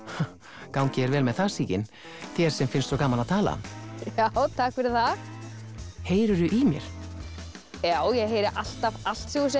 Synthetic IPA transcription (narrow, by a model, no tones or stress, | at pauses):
kawŋcɪɛɾvɛːlmɛðθasiːcɪn | θjɛɾ̥sɛmfɪnst̪sɔkaːmanaðt̪ʰaːla̰a̰mjawt̪ʰaːkfɪɾɪðθa | heːjɾʏɾʏʔimjɛ̰ɾ̥ | jaːwjɛɣɦejɾɪʔal̥t̪aval̥t̪sjuɣsɛ